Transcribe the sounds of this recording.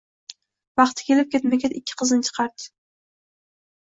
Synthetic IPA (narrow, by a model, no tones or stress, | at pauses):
vɑχt̪ʰɪ̥kʲʰe̞lɪp̚kʲʰet̪mekʲet̪ɪkʲʰːɪ̥qʰɨznɪt͡ʃʰɨ̥qʰɑɾd̪ɪ̥